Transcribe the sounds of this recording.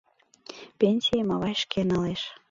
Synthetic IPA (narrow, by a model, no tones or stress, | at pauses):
pʲenʲsʲijemɑβɑjʃkenɤleʃ